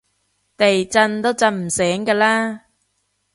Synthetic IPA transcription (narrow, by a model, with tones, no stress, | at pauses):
t̪e˨jt͡sɐ˧nt̪o˥wt͡sɐ˧nm̩˨˩sɛː˨˥ŋkaː˧laː˥